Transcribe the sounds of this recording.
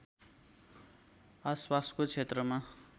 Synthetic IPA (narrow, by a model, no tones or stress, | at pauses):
aspaskot͡sʰet̪rʌma